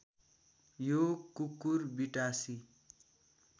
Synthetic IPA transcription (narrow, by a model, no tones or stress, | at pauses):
jokukːurbiʈasi